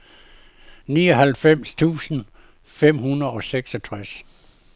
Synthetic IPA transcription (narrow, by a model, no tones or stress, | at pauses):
niːɒ̽ɦælfem̰st͡sʰṵːsn̩ | fem̰hunɐðˠɒ̽seɡ̥sɒt͡sʰʁas